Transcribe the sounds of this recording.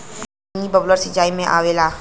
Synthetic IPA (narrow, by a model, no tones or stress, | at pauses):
nibəbləɾsɪd͡ʒaːimẽʔaːʋela